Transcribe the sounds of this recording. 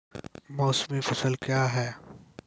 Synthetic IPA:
mɔːsmifɐsəlkjaːɦɛː

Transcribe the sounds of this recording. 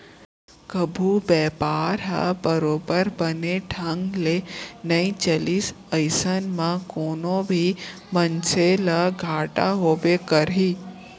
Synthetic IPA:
kəbʱubɛːpaːɾɦa̰bəɾoːbəɾbəneʈʰə̃ŋɡlenəĩt͡ʃəlis | əɪsənmãkoːnõbʱi | mənseləɡʱaːʈa̰ɦobekəɾi

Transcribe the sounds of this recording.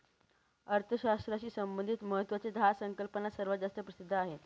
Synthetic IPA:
əɾt̪ʰəɕast̪ɾaɕiːsəmbənd̪ʱit̪məɦət̪ːʋat͡sed̪ʱasəŋkəlpənasəɾʋəd͡zast̪ɾəpɾəsid̪ʱːəaɦe

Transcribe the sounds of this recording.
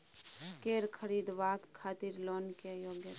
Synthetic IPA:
keːɾkʰəɾiːd̪ʋaːkkʰːaːt̪iɾloːnkejoːɡjət̪

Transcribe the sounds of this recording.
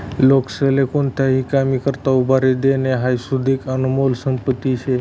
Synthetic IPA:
lokselekunt̪ʰaɦikamikəɾt̪aubʱaɾed̪eneɦajsud̪ikənumolsəmpət̪ːit͡ʃʰe

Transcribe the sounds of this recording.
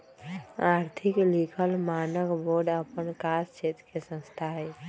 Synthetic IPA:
aːɾt̪ʰiklikʰəlmaːnəkboɾɖəpənkast͡ʃet̪kesə̃nst̪ʰaɦɛ

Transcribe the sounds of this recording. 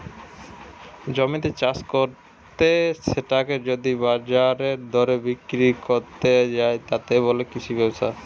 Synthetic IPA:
d͡ʑɔmit̪et͡ɕaskoɾ | t̪eʃeʈaked͡ʑod̪ibaɾd͡ʑaɾeɾd̪ʱɔɾebikɾikoɾt̪ed͡ʑaet̪at̪eβolekit͡ɕʰubʱɛbsa

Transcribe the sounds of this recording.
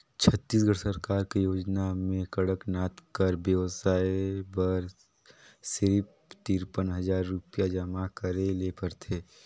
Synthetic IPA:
t͡ʃʰət̪ːiːs̬ɡəɽsəɾkaːɾkejoːd͡ʒnamẽkəɽəknaːt̪kəɾbjəʋsaːebəɾ | sɪɾp | t̪iːɾpənɦɐd͡ʒaːɾːʊpijad͡ʒəmakəɾelepəɾt̪ʰeː

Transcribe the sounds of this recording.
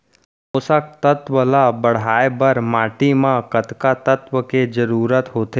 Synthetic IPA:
ʊsak̚t̪ət̪ʋəlabəɽ̤aːebəɾmaːʈimãkət̪kat̪ət̪ʋəked͡ʒəɾuːɾət̪ɦoːt̪e

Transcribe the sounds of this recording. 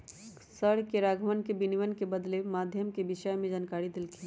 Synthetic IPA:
səɽkeɾaːɡʱəmənkebɪniʋənkebəd̪lemaːd̪ʱjəmkebɪʃəjmẽd͡ʒaːnkaːɾid̪ɪlki

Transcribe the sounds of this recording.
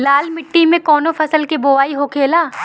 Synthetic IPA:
laːlmɪʈːimẽkɔːnopʰɐsəlkeboːʋaːiɦokʰeːlaː

